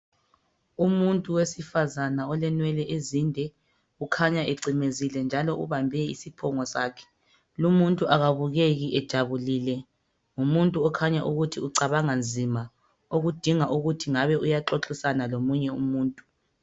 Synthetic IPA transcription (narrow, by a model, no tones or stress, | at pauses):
umuntʼuwesifazanaɔlɛnwɛlɛʔezindʱɛ | ukʰaɲaeǀimezilɛnd͡ʒʱalɔʔuβambʱɛḭsipʰɔŋɔsaːkʰɛ̥ | lumuntʼuʔaɣaβuɣeɣiʔɛd̥ʒ̥ʱaβuliːlɛ | umuntʼuɔkʰaɲaʔuɣutʰiuǀaβaŋand͡zʱima | oɣud̥ʱiŋaʔuɣutʰiŋaβɛʔujaǁoǁʼisanalomuɲɛumuːntʼu̥